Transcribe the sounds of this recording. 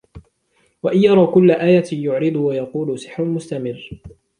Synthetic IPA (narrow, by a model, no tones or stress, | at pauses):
waʔɪnjɑɾˤɑːkʊlːaʔaːjajʊʕɾɨd̪ˤʊwajɑquːlʊsɪħɾʊlmʊst̪amɪrː